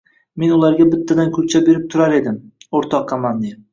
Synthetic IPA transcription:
me̞nʊlˠaɾɡʲabɪt̪ʰːad̪ankʰʊɾt͡ʃʰabe̞ɾɪp̚t̪ʰʊɾaɾe̞d̪ɪmoɾt̪ʰɒqʰːɑmamd̪ɪ

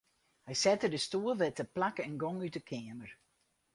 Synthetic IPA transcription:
hɛjsɛtədəstuːəlˠʋɛtəplakɛnɡɔŋytəkʰɛːəməɹ

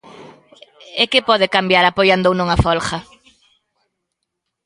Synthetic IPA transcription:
ekɪpɔðɪkambjaɾapojand̪ownuŋafɔlxɐ

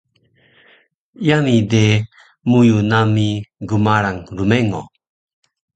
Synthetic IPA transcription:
jamid̪ɛ | mujunamiɡumaɾaŋɾumɛŋɔ̰

